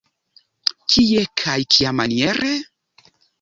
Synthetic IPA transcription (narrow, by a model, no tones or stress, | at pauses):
kʰiekʰajkʰiamanieɾe